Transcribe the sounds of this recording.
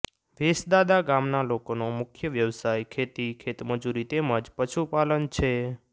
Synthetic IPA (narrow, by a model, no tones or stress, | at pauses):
ʋesd̪ad̪aɡamnalokonomʊkʰjəʋjəʋsajkʰet̪ikʰet̪məd͡ʒuɾit̪emə̃d͡ʒpəʃupalənt͡ʃʰe